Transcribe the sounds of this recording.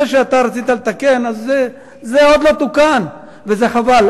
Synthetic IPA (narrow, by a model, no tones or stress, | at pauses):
eʃeat̪aɾat͡sit̪alet̪akenazːeː | eod̪lo̞t̪ukan | vezeχaval